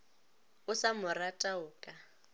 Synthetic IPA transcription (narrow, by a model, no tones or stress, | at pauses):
ʊsamʊratʼaʊːkʼa